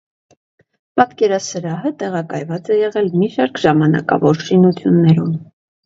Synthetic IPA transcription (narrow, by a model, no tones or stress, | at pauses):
pɑt̪kɛɾɑsəɾɑɦət̪ɛʁɑkɑjvɑt͡sɛjɛʁɛlmiʃɑɾkʰʒɑmɑnɑ̰kɑ̰vɔɾʃinut͡sʰjunːɛɾun